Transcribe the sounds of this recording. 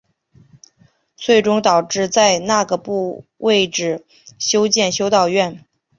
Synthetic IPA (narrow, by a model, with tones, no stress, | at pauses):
t͡sʰwe˥˩ɪʈ͡ʂʊ˥ŋt̪ɑ˨˩ʊʈ͡ʂɻ̩˥˧t͡sa˥˧ɪna˥˩ɡə˩pu˥˧wʔe˥˧ɪʈ͡ʂɻ̩˥˩ | ɕjo˥ʊt͡ɕjɛ˥˩nɕjo˥ʊt̪ɑ˥˧ʊɥɛ˥˩n